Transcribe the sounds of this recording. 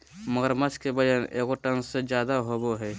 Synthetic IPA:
məɡəɾmət͡ʃʰkebəd͡ʒənḛɡoʈənsed͡ʒjad̪aɦoboɦɛ

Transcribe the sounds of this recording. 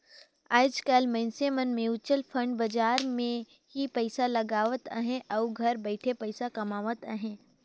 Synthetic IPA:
aːd͡ʒkɐlmɛ̃ːnsemɐnmẽʊt͡ʃːəlpʰə̃ɳɖbɐd͡ʒaːɾmẽ | ɦipɐɪsalɐɡaːʋət̪ə̰ɦẽʔɐːɡʱɐɾbəɪʈʰepɐɪsakɐmaːʋət̪a̰ɦẽː

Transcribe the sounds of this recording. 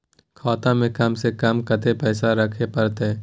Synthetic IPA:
kʰɔːt̪ãmẽkɐmsekɐmkɐt̪epɛːsaɾɐkʰepɐɾt̪e

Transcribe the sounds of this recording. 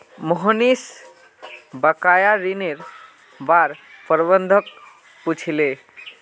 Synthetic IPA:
mɔɦənis | bəkajaɾineɾ | baɾpəɾbənd̪ʱək | put͡ʃʰile

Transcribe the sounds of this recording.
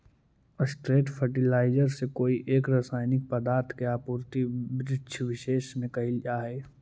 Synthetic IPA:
əsʈɾeːʈfʰəɾʈɪlaːɪd͡ʒəɾsekoːiʔeːkɾaːsaːɪnɪk̚pɐd̪aːɾt̪ʰkeaːpuːɾt̪ibɾɪt͡ʃʰʋɪʃeːʃmẽkɐɦild͡ʒaːɦeː

